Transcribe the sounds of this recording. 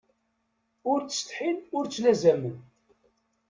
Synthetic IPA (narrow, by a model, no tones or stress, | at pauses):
ʊɾt͡sːə̥st̪ħinʊɾt͡sːlæzæmən